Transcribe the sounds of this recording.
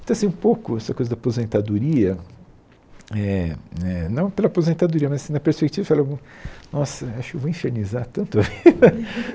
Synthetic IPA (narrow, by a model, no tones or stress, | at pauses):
t̪ɐ̃ɐsĩũpowkʊɛsɐkojzɐd̪apozẽnt̪ad̪uɾiɐ | ɛɛnɐ̃w̃pelɐapozẽnt̪ad̪uɾiɐmɐzɐsĩnɐpeɾspek̚t͡ʃivɐfaleũnɔsɐaʃʊkewvoẽʃenizaɾt̪ɐ̃nt̪ʊɐveɐ